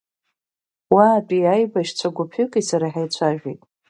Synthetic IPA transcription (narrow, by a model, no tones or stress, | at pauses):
waːpʼiajbaʃt͡ɕʷʰaɡʷʊpʰʏkʼisaɾaħajt͡sʷʰaʒᶣejtʼ